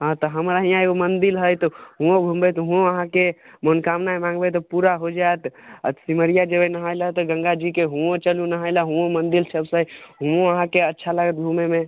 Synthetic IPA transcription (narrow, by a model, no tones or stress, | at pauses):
ɦãt̪ɔɦəmɾaɦijãeɡomənd̪ilɦəjt̪ɔɦũõbʱũmbet̪ɦũoəɦãkemənkamnaemãŋɡbet̪ɔpuɾaɦod͡ʒaet̪siməɾijad͡ʒebənəɦajlat̪ɔɡə̃ŋɡad͡ʒikeɦũot͡ʃəlunəɦajlaɦũõmənd̪ilsəbsə̃ɦũoəɦãkeətːʃʰalaɡət̪̚bʱumeme